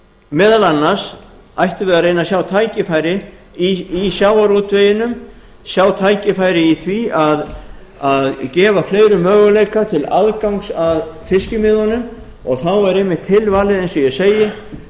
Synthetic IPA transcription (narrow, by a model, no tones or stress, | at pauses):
mɛːðalanːaɾ̥s | ajht̪ʏvɛːðaɾejnasjawt̪ʰaːjcɪfaːjɾɪ | iisjaːwaɾut̪vejɪnʏm | sjaːwt̪ʰaːjcɪfaːjɾɪiθviaðaðcɛːvafleːjɾʏmœːɣʏlejkat̪ʰɪla̰ðkawŋsaðfɪscɪmɪðɔnʏm | ɔɣθawɛɾejmːɪht̪ʰːɪlvaːlɪðɛjnsɔjɛseːjɪ